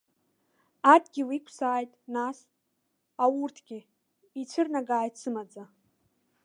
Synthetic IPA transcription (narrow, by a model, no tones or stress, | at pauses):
adɡʲiwikʷʰsaːjtʼnas | awurtʰɡʲɪ | it͡ɕʷʰɨrnaɡaːjtʰsɨmad͡za